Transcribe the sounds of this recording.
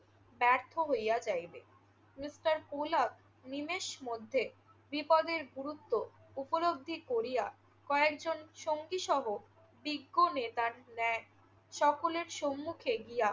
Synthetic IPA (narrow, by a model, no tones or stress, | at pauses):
bɛɾt̪ʰoɦojat͡ɕajbe | misʈaɾpolak̚ | nimeʃmod̪ʱːe | bipɔd̪eɾɡuɾut̪ːo | upolobd̪ʱːikoɾija | kɔekd͡ʑonʃoŋɡiʃɔɦo | biɡːonet̪aɾnɛ | ʃɔkoleɾʃomːukʰeɡija